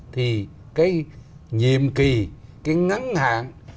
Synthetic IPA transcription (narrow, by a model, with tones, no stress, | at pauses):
t̪ʰi˨˩ | kaː˨˦jɲḭ˧˨əmki˨˩kaː˨˦jŋa˨˦˥nha̰ː˧˨n